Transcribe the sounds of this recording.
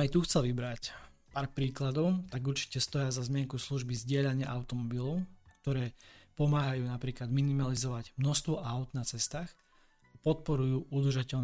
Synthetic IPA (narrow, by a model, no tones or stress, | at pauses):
ajt̪uxt͡sɛlʋibɾacpaːɾpɾiːklad̪ɔʊt̪aɡuɾt͡ʃi̥cɛst̪ɔjazazmɪɛŋkusluʒbizɟɪɛʎaɲɪaʔaʊt̪ɔmɔbilɔʊkt̪ɔɾɛːpɔmaːɦajuːnapɾiːklad̪minimalizɔʋaɟmnɔst̪ʋɔʔaʊd̪nat͡sɛst̪aːx | apɔt̪̚pɔɾujuːʔud̪r̩ʒacɛʎn